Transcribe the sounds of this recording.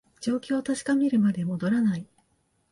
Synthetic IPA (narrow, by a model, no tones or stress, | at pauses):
d͡ʑo̞ːkʲo̞ːt̪aɕi̥kamʲiɾɯ̟mad̪e̞mo̞d̪o̞ɾanai